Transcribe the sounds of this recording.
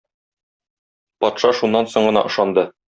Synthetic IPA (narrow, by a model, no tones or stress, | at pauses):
pɒt̪ʃɑʃunːɑnsoɴɢɤ̆nɑ̰ʔɤ̆ʃɑnd̪ɤ